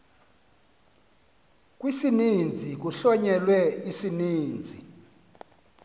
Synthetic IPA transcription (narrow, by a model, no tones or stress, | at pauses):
k̬ʼwisinind͡zʱik̬uɬɔɲɛlwɛisiniːnd͡zʱḭ